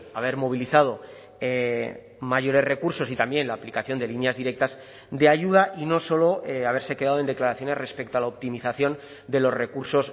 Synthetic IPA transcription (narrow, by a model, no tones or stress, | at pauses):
aβ̞e̞ɾmo̞β̞iliθað̞o̞ | e | maʝo̞ɾe̞zre̞kuɾso̞sit̪ambje̞nlaːplikaθjo̞nd̪e̞linjazðiɾe̞k̚t̪az | d̪e̞aʝuð̞aʔino̞so̞lo̞eaβe̞ɾse̞keaðoend̪e̞klaɾaθjo̞ne̞re̞spe̞k̚t̪oalaop̚t̪imiθaθjo̞n | d̪e̞lo̞zre̞kuɾso̞s